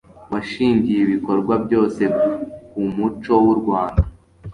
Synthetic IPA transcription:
waʃiːɲɟijeβiko̞ɾɡwabjo̞ːse̞kumut͡ʃo̞wuɾɡwaːnda

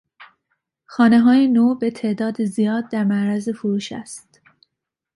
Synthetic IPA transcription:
xɒːneɦɒːjenoːbet̪ʰe̞ːd̪ɒːd̪ezijɒːd̪̚ːæɾmæʔɾæzefoɾuːʃæ̰st̪

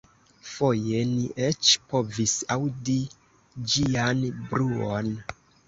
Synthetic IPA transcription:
fo̞je̞niʔet͡ʃpo̞visawdi | d͡ʒianbɾuon

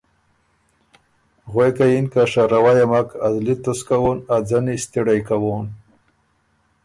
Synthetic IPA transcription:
ɣwejkajinkaʂaɾawajamakazlit̪əskawonad͡zanist̪iɽajkawon

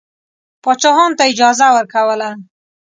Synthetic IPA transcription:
pɑt͡ʃɑɦɑnt̪aɪd͡ʒɑzawəɾkawəla

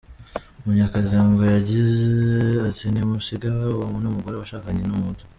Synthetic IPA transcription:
umuɲakazaːŋɡajaɟizeatinemusiɡaβamunomuɡoɾeβaʃaːkaɲenomutu̥

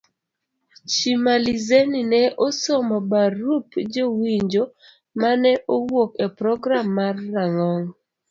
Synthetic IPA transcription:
t͡ʃimalizeninɛʔosɔmɔbaɾupd͡ʒowiɲd͡ʒo | manɛʔowokepɾɔɡɾamːarːaŋɔŋ

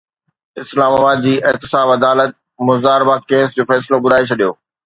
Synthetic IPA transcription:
ɪslaːmaːbaːd̪̚d͡ʑiːʔɪɦt̪ɪsaːbɐd̪aːlət̪̚ | mʊzaːɾɪbakeːsd͡ʑoːfɛːsɪlobʊd̪aːet͡ɕʰɐɗijoː

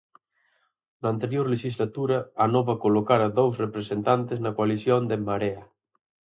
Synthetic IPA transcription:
nant̪eɾjoɾleʃizlat̪uɾaːnoβakolokaɾaðowsrepɾesent̪ant̪eznɐkoaliθjond̪emaɾea

